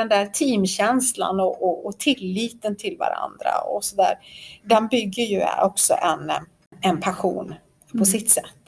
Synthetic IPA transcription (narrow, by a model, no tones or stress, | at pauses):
ɛnd̪æːɾt̪ʰiːmɕɛnsla̰nɔʔɔːt̪ʰɪlːiːt̪ənt̪ʰɪlva̰ɾa̰nd̪ɾa̰ɔ̰sɔd̪æ̰ːɾɖ̪ɛnbʏɡːəɾjɵɔksɔ̰ʔɛn | ɛnpʰaɧṵːn | pʰɔsɪt̪ːsɛt̪ː